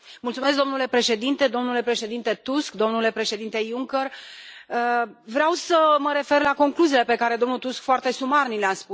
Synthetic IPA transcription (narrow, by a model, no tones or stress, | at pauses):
mult̪sumes̬kd̪o̞mnule̞pɾe̞ʃe̞d̪int̪e̞d̪o̞mnule̞pɾe̞ʃe̞d̪int̪e̞t̪usk̚d̪o̞mnule̞pɾe̞ʃe̞d̪int̪e̞juŋkerəvɾeawsəməɾe̞fe̞rlako̞ŋkluziːle̞pe̞kaɾe̞d̪o̞mnut̪uskfoart̪e̞sumarnileaspu